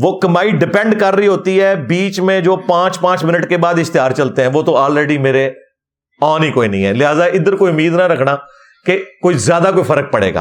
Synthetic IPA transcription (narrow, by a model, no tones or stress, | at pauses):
ʋoːkɐmaːiɖɪpɛ̃ɳɖkəɾːəiɦoːt̪iɦɛbiːt͡ʃmẽd͡ʒoːpãːt͡ʃpãːt͡ʃmɪnəʈkebaːd̪ɪst̪ɪjaːɾt͡ʃɐlt̪eɦɛ̃ːʋoːt̪oaːlɾeːɖimeːɾe | ɔːnɦikoːinɐ̃ɦĩɦɛːlɪɦaːzaʔɪd̪əɾkoːiʊmiːd̪naɾɐkʰnaː | kekoːizjaːd̪akoːifʰəɾək̚pəɽḛːɡa̰ː